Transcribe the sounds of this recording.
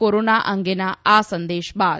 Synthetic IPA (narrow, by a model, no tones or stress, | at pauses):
oɾoːnaːʔɐŋɡenaːaːsɐnd̪eːʃbaː